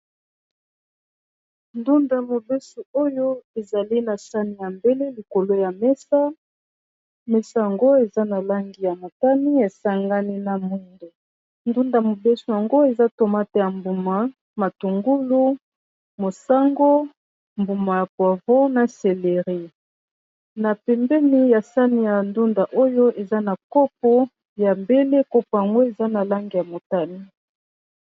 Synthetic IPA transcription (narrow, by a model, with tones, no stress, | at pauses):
ndu˦nda˨mo˨bɛ˦su˨o˦jo˦e˨za˨li˦na˨sa˦ni˨ja˨mbe˦le˦li˨ko˨lo˦ja˨mɛ˦sa˦ | mɛ˦sa˦ja˨ŋɡo˦e˨za˦na˨la˦ŋɡi˨ja˨ma˨ta˦ni˦e˨sa˦ŋɡa˦ni˦na˨mu˦ndo˨ | ndu˦nda˨mo˨bɛ˦so˨ja˨ŋɡo˦e˨za˦to˨ma˦tɛ˦ja˨mbu˨ma˨ | ma˨tu˨ŋɡu˦lu˦ | mo˨sa˦ŋɡo˦ | mbu˨ma˨ja˨kwa˨vo˦na˨se˨le˨ʁi˦ | na˨pɛ˨mbɛ˦ni˦ja˨sa˦ni˦ja˨ndu˦nda˨ʔo˦jo˦ʔe˨za˦na˨ko˦p̚o˦ | ja˨mbe˦le˦ko˦po˨ja˨ŋɡo˦e˨za˦na˨la˦ŋɡi˨ja˨mo˨ta˦ni˦